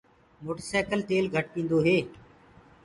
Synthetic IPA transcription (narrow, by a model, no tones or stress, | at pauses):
moːʈəsaːkəlt̪eːlɡʱəʈ̚pĩːnd̪oːɦeː